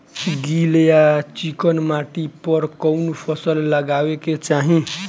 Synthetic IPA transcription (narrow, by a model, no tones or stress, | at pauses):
ɡiljat͡ʃikənmaʈipʌɾkʌwnupʰʌsəlːəɡaweket͡ʃaɦĩ